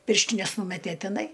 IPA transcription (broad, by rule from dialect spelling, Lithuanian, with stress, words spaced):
ˈpʲɪrʲʃʲtʲɪnʲɛs ˈnuːmʲɛtʲeː tʲɪˈnɐɪ